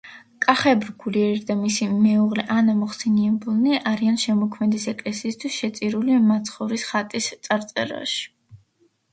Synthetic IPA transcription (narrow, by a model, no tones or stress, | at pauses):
kʼaχɛbɾɡuliɛɾid̪amisimɛuʁlɛʔanamɔχsɛniɛbulˠnɛʔaɾianʃɛmɔkʰmɛd̪isɛkʼlɛsiːst̪ʰwisʃɛt̪sʼiɾulimat̪sʰχɔɾisχat̪ʼist̪sʼaɾt̪sʼɛ̰ɾa̰ʃi̥